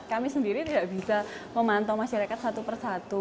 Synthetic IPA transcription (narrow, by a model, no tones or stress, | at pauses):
kamisəndiɾit̪idaʔb̥isa | məmant̪ɔmaʃaɾakat̪̚sat̪upərsat̪u